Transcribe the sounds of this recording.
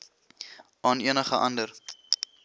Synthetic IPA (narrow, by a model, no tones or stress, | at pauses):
ɑːniənəχəʔɐ̰ndər